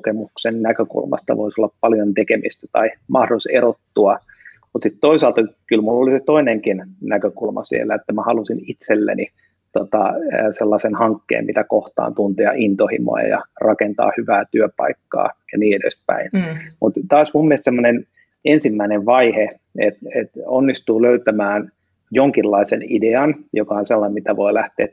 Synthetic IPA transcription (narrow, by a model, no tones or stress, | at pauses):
kemuksennækøkṵlmɑ̰st̪ɑ̰ʋo̰isolːɑppɑljont̪ekemist̪æt̪ɑimɑhdoliserot̪ːuɑ | mut̪sit̪t̪oisɑlt̪ɑkylmulːoliset̪oineŋkinnækøkulmɑ̰sḭḛlːæet̪ːæmæhɑlusinit̪selːæ̰ni | t̪ot̪ɑːselːɑsenhɑŋkːḛːmmit̪ækoht̪ɑ̰ːnt̪unt̪eɑ̰ʔint̪ohḭmo̰jɑ̰jɑ̰rɑkent̪ɑ̰ːhyʋæːt̪yøpɑ̰ikːɑ̰ːjɑniːedḛspæ̰inmut̪t̪ɑːsmummielst̪semːonen | ensimːæineʋʋɑihe | et̪et̪onːist̪uːløyt̪æmæːn | joŋkilːɑisḛnideɑnjokɑonselːɑnemit̪æʋoilæht̪eː